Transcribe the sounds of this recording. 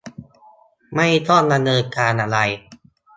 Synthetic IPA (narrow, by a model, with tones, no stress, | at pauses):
ma˥˩jt̪ʰɔː˥˩t̪̚da˧nɤː˧nkaː˧nʔa˧ɾa˧j